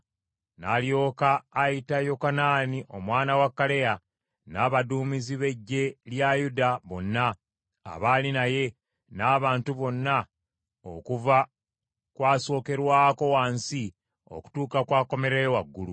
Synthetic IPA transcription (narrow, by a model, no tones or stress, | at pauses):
naːljo̞ːkaːjitajo̞kanaːniʔo̞mwaːnawakːale̞ja | naːβaduːmiziβe̞ɟːe̞ljajudaβo̞nːa̰ː | βaːlinaje̞ | naːβaːntuβo̞nːa | o̰kuva | kwaːso̞ːke̞ɾwaːko̞waːnsi | o̞̰ku̥tuːkakwaːko̞me̞ɾejowaɡːulu